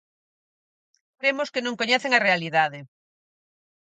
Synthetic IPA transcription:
kɾemoskenõŋkoɲɛθeŋarealiðaðɪ

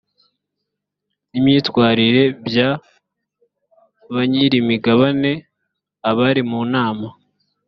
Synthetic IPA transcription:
nimɲiːtwaːɾiɾe̞bja | βaɲiɾimiɡaβane̞ | aβaɾimuːnaːma

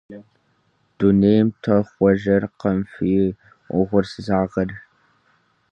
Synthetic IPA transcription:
d̥uneːjmtʰɐχʷɔʒɐrqɐmfiː | ʊʁʷʊrsɨzaːʁɐr

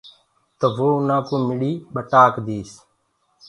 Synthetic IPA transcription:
t̪əʋoːʊnãːkũːmɪɽiːɓəʈaːkd̪iːs

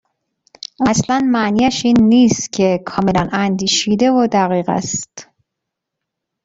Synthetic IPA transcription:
ʔæslænmæniːæʃiːnːiːst̪cʰe̞kʰɒːmelænænd̪iːʃiːd̪evod̪æɣiːɣæ̰st̪

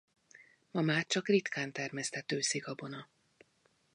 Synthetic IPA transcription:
mɒmaːrt͡ʃɒkrit̪kaːnt̪ɛrmɛst̪ɛt̪øːsiɡɒbo̞nɒ

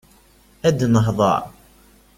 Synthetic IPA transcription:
æd̪nəɦðˤɑ̰ʕ

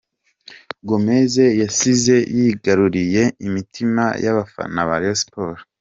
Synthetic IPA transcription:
ɡomeze̞jasize̞jiɡaɾuɾije̞imitima̰ja̰βafa̰naβaɾospoɾo

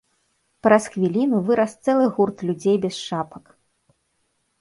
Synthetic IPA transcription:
pɾɐsxvʲilʲinuvɨɾɐst̪sɛlˠɨɣurt̪lʲud͡zʲejbʲɛsʂapɐk

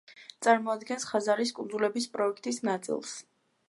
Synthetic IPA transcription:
t̪sʼaɾmɔad̪ɡɛnsχazaɾiskʼund̪zulɛbispʼɾɔɛkʰt̪ʼisnat̪sʼḭlˠs

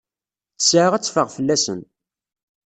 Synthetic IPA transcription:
θə̥sʕəʁæt͡sːfəʁfəlːæsə̰n

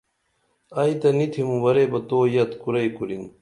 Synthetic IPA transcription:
ait̪ɐnit̪ʰimũwɐɾebɐt̪oːjɐt̪kuɾɐjkuɾin

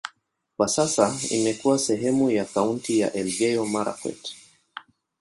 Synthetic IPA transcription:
kwasasaḭmɛkuwasɛɦɛmujakauntija̰ʔɛlɡɛjɔmaɾa̰kwɛ̰tɛ̥

